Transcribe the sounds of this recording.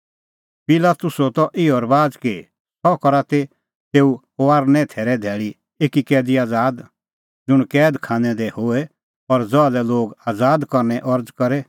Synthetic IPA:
pɪlaːt̪ʊsɔt̪ɔʔɪɔɾbaːd͡zke | sʰɔkɔɾat̪e | t̪eːu | oaːɾnɛ̃t̪ʰɛːɾɛd̪ʱɛːɭi | eːkikɛːd̪iaːd͡zaːd̪ | d͡zʊɽ̃kɛːd̪kʰãːnɛ̃d̪ehoɛ | ɔɾd͡zɔalɛloːɡaːd͡zaːd̪kɔɾnɛʔɔɾd͡zkɔɾɛ

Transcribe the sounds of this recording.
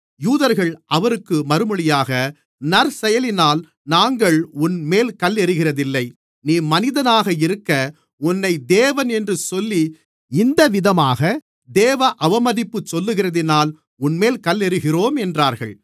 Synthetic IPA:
juːðɐɾɣɐɭʔɐʋɐɾɯkːɯmɐɾɯmɯɭɪjaːɣɐ | nɐɾsɛjɐlɪnaːl | naːŋɡɐɭʊnmeːlkɐlːɛɾɯɣɪrɐðɪlːɐɪ | niːmɐnɪðɐnaːɣɐɪɾɯkːɐ | ʊnːɐɪd̪eːʋɐnɛndrɯsɔlːi | ɪnd̪ɐʋɪðɐmaːɣɐ | d̪eːʋɐʔɐʋɐmɐðɪpːɯt͡ʃsɔlːɯɣɪrɐðɪnaːl | ʊnmeːlkɐlɛɾɯɣɪroːmɛndraːɾɣɐ̰ɭ

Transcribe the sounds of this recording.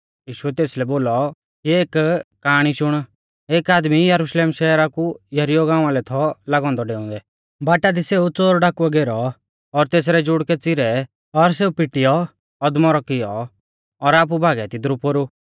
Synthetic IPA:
jiːʃuɛt̪eːslɛboːlɔ | kieːkkːaːɽ̃iʃʊɽ̃ | eːkaːd̪mijɐɾuʃleːmʃɛːɾakujɐɾɪjɔɡãːʊ̃ãːlɛt̪ʰɔlaɡɔ̃ːnd̪ɔɖeːʊ̃ːd̪ɛ | baːʈad̪iseːut͡soːɾɖaːkuɔɡeːɾɔ | ɔɾt̪eːs̬ɾɛd͡ʒʊɽkɛt͡sɪɾɛ | ɔɾs̬eːupɪʈɪjɔ | ɔd̪mɔɾɔkɪjɔː | ɾaːp̬ubʱaːɡɛt̪ɪd̪ɾupoːɾu

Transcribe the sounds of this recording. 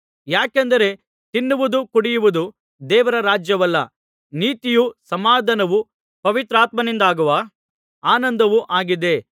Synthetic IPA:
jaːkend̪ɐɾe̞ | t̪inːuʋud̪ukuɽijuʋud̪u | d̪ɛːʋɐɾɐɾaːd͡ʒjɐʋɐlːɐ̰ | niːt̪ijusɐmaːd̪ʱɐnɐʋu | pɐʋit̪ɾaːt̪mɐnind̪aːɡuʋɐ | aːnɐnd̪ɐʋuʔaːɡid̪e̞

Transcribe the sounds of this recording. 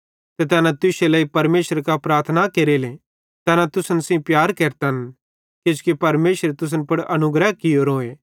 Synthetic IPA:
t̪et̪̬ɛːnãt̪ʊselɐːipɐɾmeːʃəɾkapɾaːɾt̪ʰnakeːɾele | t̪ɛːnãt̪ʊsənsĩpjaːɾkeːɾt̪ɐn | kɪd͡ʒkipɐɾmeːʃəɾet̪ʊs̬ənpɐɽɐnʊɡɾəɦkɪjoɾoːe

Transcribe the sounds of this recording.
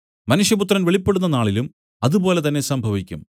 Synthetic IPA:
mɐnuʂjɐput̪rɐnʋeɭipːe̞ɽunːɐnaːɭilum | ɐðupo̞ːle̞t̪ɐnːesɐmbʱɐʋikʲːum

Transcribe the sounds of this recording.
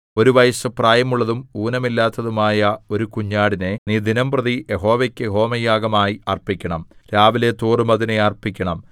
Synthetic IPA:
o̞ɾuʋɐjɐsɨpraːjɐmuɭːɐðumuːnɐmilːaːt̪ːɐðumaːjɐo̞ɾukuɲːaːɽine̞niːd̪inɐmprɐðijʔeɦo̞ːʋekʲːɨɦo̞ːmɐjːaːɡɐmaːjiɐrpikʲːɐɳɐmɾaːʋile̞t̪uːrɨmɐðineɐrpikʲːɐɳɐm

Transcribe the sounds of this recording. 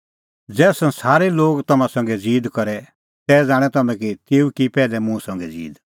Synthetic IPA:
d͡zɛːsɐ̃nsaːɾɛloːɡt̪ɐmãsɐ̃ŋ̆ɡɛd͡ziːd̪kɐɾɛ | t̪ɛːd͡zãːɽ̃ɛt̪ɐmɛ̃k̬it̪eːukipɛːlɛmũsɐ̃ŋɡɛd͡zḭːd̪

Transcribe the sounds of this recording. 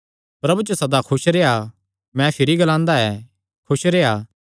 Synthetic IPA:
pɾɐbut͡ʃosɐd̪akʰʊsɾeɦa | mɛ̃pʰɪɾiɡɐlãːnd̪aɛː | kʰʊsɾeːaː

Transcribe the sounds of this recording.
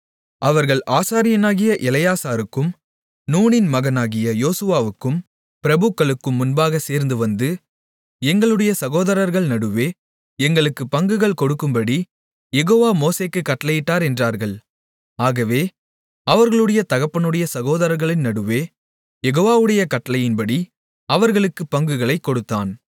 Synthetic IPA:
ʔɐʋɐɾɣɐɭʔaːsaːɾɪjɐnaːɣɪjɐʔɛlɐjaːsaːɾɯkːɯm | nuːɳɪnmɐɣɐnaːɣɪjɐjoːsɯʋaːʋɯkːɯm | pɪɾɐbɯkːɐɭɯkːɯmːʊnbaːɣɐseːɾnd̪ɯʋɐnd̪ɯ | ɛŋɡɐɭɯɽɐjɐsɐɣoːðɐɾɐɾɣɐɭnɐɽɯʋeː | ɛŋɡɐɭɯkːɯpɐŋɡɯɣɐɭkɔɽɯkːɯmbɐɽi | jɛɣoːʋaːmoːseːkːɯkːɐʈːɐlɐjɪʈːaːɾɛndraːɾɣɐɭ | aːɣɐʋeː | ɐʋɐɾɣɐɭɯɽɐjɐt̪ɐɣɐpːɐnɯɽɐjɐsɐɣoːðɐɾɐɾɣɐɭɪnnɐɽɯʋeː | jɛɣoːʋaːʋɯɽɐjɐkɐʈːɐlɐjɪnbɐɽi | ɐʋɐɾɣɐɭɯkːɯpːɐŋɡɯɣɐɭɐɪkːɔɽɯt̪ːaːn

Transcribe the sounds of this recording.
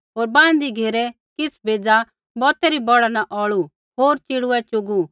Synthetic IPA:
ɦoːɾbãːn̆d̪iɡʱeːɾɛ | kɪsbʱeːd͡za | bɔːt̪ɛɾibɔɽanaʔɔːɭu | ɦoːɾt͡ʃɪɽuɛt͡ʃʊɡu

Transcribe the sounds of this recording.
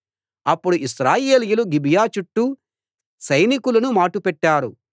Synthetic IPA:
ɐpːuɽuʔisɾaːje̞ːlijuluɡibijaːt͡ʃuʈːu | sɐjnikulɐnumaːʈupɛʈːaːɾu

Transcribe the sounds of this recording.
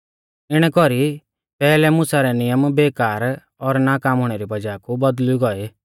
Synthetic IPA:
ɪɽ̃ɛkɔɾi | pɛːlɛmʊsaɾɛnɪjəmbeːkaːɾ | ɔɾnaːkaːmʊɽ̃ɛɾibɐd͡ʒaːkubɐd̪liɡɔe

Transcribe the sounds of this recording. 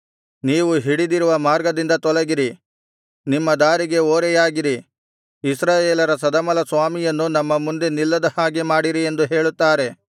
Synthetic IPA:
niːʋuɦiɽid̪iɾuʋɐmaːɾɡɐd̪ind̪ɐt̪ɔlɐɡiɾi | nimːɐd̪aːɾiɡe̞oːɾɛjaːɡiɾi | isɾaːjeːlɐɾɐs̬ɐd̪ɐmɐlɐsʋaːmijɐnːunɐmːɐmund̪e̞nilːɐd̪ɐhaːɡemaːɽiɾie̞nd̪uɦe̞ːɭut̪ːaːɾe̞

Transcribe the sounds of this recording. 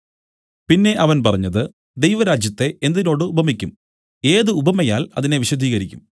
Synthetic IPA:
pinːe̞ʔɐʋɐnpɐrɐɲːɐðɨ | d̪ejʋɐɾaːd͡ʑjɐt̪ːe̞ʔend̪ino̞ːɽɨubʱɐmikʲːum | e̞ːðɨubʱɐmɐjaːlɐ̰ðine̞ʋiɕɐd̪ʱiːɣɐɾikʲːum

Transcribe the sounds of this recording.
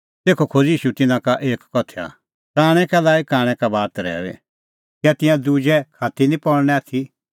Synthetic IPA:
t̪eːkʰokʰod͡ziːʃut̪ɪnãkaʔeːkːɔt̪ʰa̰ | kaːɽ̃ɛ̃kɛlaːikaːɽ̃ɛ̃kabaːt̪ɾɛ̰ːʋɛ̰ | kat̪ɪ̃jãd̪ud͡ʒɛkʰaːt̪ʰinĩpɔɽñɛ̃at̪ʰi

